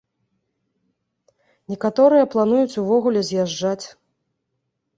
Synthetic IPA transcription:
nʲɛkat̪ɔɾɨjɐplˠan̪ujut͡sʲuvɔɣulʲɛzʲjaʐd͡ʐat͡sʲ

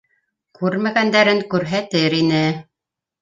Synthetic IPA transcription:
kʉɾmæɡænd̪æɾɘŋkʉɾɦæt̪ɘɾinɘ

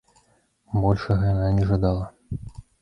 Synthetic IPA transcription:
bɔlʲʂɐɣɐjananʲɛʐɐd̪alˠɐ

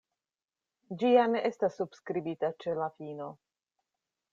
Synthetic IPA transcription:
d͡ʒiane̞ʔe̞stasːubskɾibitat͡ʃe̞lafino̞

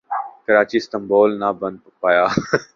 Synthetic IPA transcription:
kəɾaːt͡ʃiːst̪ə̃mboːlnabə̃nd̪̚ppaːjaː

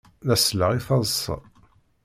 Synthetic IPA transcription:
ðæsləʁiθɑzˤsˤːɑ̰

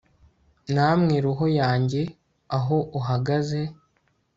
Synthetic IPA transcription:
namŋiːɾuɦo̞jaːɲɟe̞ | aɦoʔuɦaɡaze̞

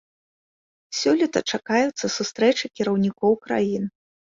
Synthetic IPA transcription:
sʲɔlʲit̪ɐt͡ʂakajut̪sːɐsust̪ɾɛt͡ʂɨkʲiɾɐwnʲikɔwkɾa̰jin

